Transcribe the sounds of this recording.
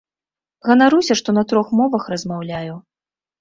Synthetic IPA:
ɣɐnaɾusʲɐʂt̪ɔnɐt̪ɾɔxmɔvɐxrɐzmawlʲaju

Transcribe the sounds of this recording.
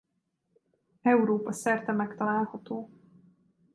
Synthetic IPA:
ɛuɾoːpɒsɛrt̪ɛmɛkt̪ɒlaːlhɒt̪oː

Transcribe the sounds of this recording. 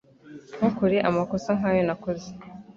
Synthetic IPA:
ŋ̥hukuɾiʔamakosaŋajonakozi̥

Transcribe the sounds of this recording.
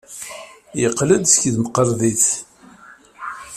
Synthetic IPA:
jəqːləd̪skðməqːəɾˤðiθ

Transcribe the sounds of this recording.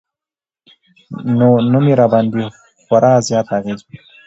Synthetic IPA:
nonumiɾɑbɑnd̪i | xaɾʔɑːzjɑːt̪aɣezwi

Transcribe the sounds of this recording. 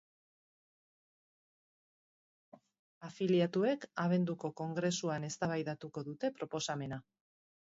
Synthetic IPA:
afiliat̪ue̞kaβ̞e̞nd̪uko̞ko̞ŋɡɾe̞suane̞st̪aβ̞ajðat̪uko̞ðut̪e̞pɾo̞po̞same̞na

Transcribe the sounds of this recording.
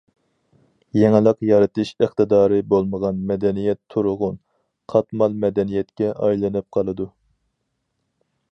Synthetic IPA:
jɛŋɪlˠəqjɑɾɨt̪ʰɨʃəχt̪ɨd̪ɑːɾɨbolˠməʁɑnmɛd̪ɛnijɛt̪ʰːuɾʊʁʊn | qʰɑt̪mɑlˠmɛd̪ɛnijɛt̪kʲɛʔɑjlˠɨnɨp̚qʰɑlˠɨd̪u

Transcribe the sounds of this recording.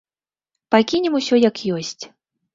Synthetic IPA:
pakʲinʲɛmusʲɔjakjɔsʲt͡sʲ

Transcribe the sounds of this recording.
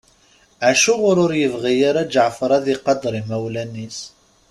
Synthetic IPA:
ʕaʃʊʁʊɾʊɾjəvʁijaɾæd͡ʒəʕfɾˤɑðiqɑd̪ˤɾˤimæwlænːis

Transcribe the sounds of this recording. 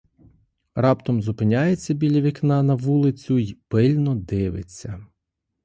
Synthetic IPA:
rɑpt̪ɔmzʊpɪnʲajet͡sʲːɐbʲilʲɐʋʲiknɑnɐʋulˠɪt͡sʲʊjpɪlʲnɔd̪ɪʋɪ̰t͡sʲːɐ

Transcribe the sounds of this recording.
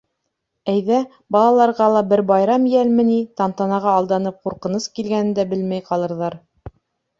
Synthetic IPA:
æjðæ | bɑlˠɑlˠɑɾʁɑlˠɑbɘɾbɑjɾɑmjælmɘ̆nit̪ɑnt̪ɑnɑʁɑːlˠd̪ɑnɤp̚quɾqɤ̆nɤskilɡænɘ̆nd̪æbɘlmæjqɑlˠɤ̆ɾðɑɾ

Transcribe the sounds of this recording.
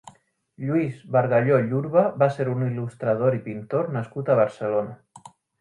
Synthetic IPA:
ʎwizβaɾɣaʎoʎuɾβaβaseɾunilust̪ɾað̞oɾipint̪oɾnaskut̪aβ̞aɾselona

